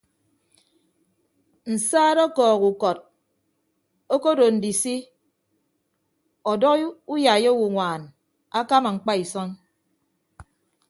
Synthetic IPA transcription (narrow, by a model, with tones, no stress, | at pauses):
n̩˨saː˦ɾɔ˦kɔː˨ɣu˨kɔ˨t̚ | o˦ko˦do˨n̩˨di˨si˦ | ɔ˨dɔ˦ku˦ja˨je˦wu˨ŋʷaː˨n | a˦ka˦ma˨ŋ͡m̩˨k͡pa˦i˨sɔ˦n